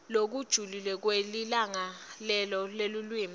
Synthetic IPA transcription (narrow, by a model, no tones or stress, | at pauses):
lok̬ud̥ʒ̥ʱulilɛk̬welilaŋalɛlɔlelulwiːm